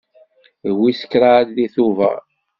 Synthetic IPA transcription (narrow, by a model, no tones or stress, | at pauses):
wisə̥kːɾaɾðiθuvæ̰